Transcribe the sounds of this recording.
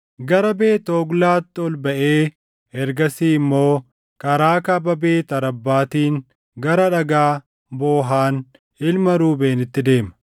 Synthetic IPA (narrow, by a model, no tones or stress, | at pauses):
ɡɐɾɐbe̞ːt̪oːɡlaːt̪ːɪɔlbɐʔeː | ɛɾɡɐsiːɪmːo̞ː | kʼɐɾaːkɐbɐbeːt̪ɐɾɐbːaːt̪iːŋ | ɡɐɾɐᶑɐɡaː | boːɦaːn | ɪlmɐɾuːbe̞ːnɪt̪ːɪd̪e̞ːmɐ̥